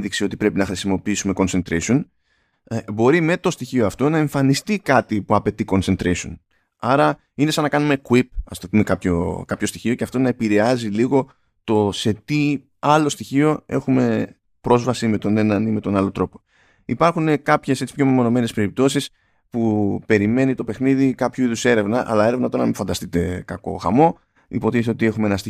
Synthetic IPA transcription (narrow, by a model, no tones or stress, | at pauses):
ðiksio̞t̪ipɾe̞pinɐxɾisimo̞piisume̞ko̞nse̞nt̪ɾeson | bo̞ɾime̞t̪o̞st̪içioɐft̪o̞nɐe̞ɱfɐnist̪ikɐt̪ipuɐpe̞t̪iko̞nse̞nt̪ɾeso̰n | ɐɾɐ | ine̞sɐnːɐkɐnume̞kuip̚ɐ̰st̪opume̞kɐpço̞̰kɐpço̞st̪içio̞ceɐft̪o̞nɐe̞piɾe̞ɐziliɣo̞ | t̪o̞se̞t̪i | ɐlo̞st̪içio̞e̞̰xume̞ | pɾo̞zvɐsime̞t̪o̞ne̞nɐnime̞t̪o̞nɐlo̞t̪ɾo̞po̞ | ipɐɾxune̞kɐpçe̞se̞t͡sipçomimo̞no̞me̞nespe̞ɾip̚t̪o̞sis | pupe̞ɾime̞nit̪ope̞xniðikɐpçuiðuse̞ɾe̞vnɐʔɐ̰lɐeɾevnɐt̪oɾɐnɐmifɐnd̪ɐst̪it̪e̞kɐko̞̰xɐ̰mo̞ | ḭpo̞t̪isot̪ie̞xumeenɐst̪i